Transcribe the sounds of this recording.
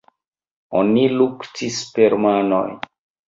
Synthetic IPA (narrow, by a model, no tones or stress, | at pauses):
oniluktispeɾmano̰j